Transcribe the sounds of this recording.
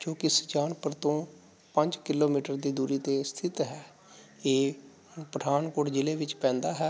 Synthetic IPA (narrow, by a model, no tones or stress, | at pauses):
d͡ʒõːkɪsə̥t͡ʃaːnpəɾt̪õː | pəɲd͡ʒkɪloːmiːʈəɾd̪iːd̪uːɾiːt̪eːst̪ʰɪt̪ɦɛː | eː | pɾəd̪ʰʱaːnkoːɽd͡ʒɪleːʋɪt͡ʃpɛ̃ːnd̪aːɦɛː